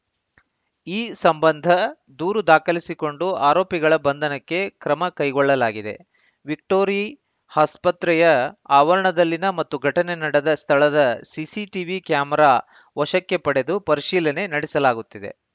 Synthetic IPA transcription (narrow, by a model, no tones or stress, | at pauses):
iːsɐmbɐnd̪ʱɐ | d̪uːɾud̪aːkɐlisiko̞ɳɖuaːɾo̞ːpiɡɐɭɐbɐnd̪ʱɐnɐkːe̞kɾɐmɐkɐjɡɔɭːɐlaːɡid̪e̞̰ | ʋik̚ʈo̞ːɾi | haːspɐt̪ɾɛjɐaːʋɐɾɐɳɐd̪ɐlːinɐmɐt̪ːuɡʱɐʈɐnenɐɽed̪ɐst̪ʰɐɭɐd̪ɐsisiʈiʋikjaːmɐɾaː | ʋɐʃɐkːe̞pɐɽe̞d̪upɐɾiʃiːlɐne̞nɐɽɛsɐlaːɡut̪ːid̪e̞̰